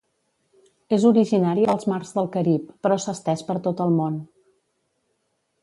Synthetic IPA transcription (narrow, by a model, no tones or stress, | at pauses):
ezuɾiʒinaɾiəlˠzmarzðəlˠkəɾipːɾɔsəst̪ɛʃpəɾt̪ot̪əlˠmon